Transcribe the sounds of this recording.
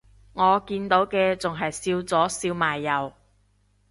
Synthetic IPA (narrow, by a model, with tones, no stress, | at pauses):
ŋɔː˨˧kiː˧nt̪o˨˥wkɛː˧t͡sʊ˨ŋɦɐ˨jsiː˧wt͡sɔː˨˥siː˧wmaː˨˩jːɐ˨˧w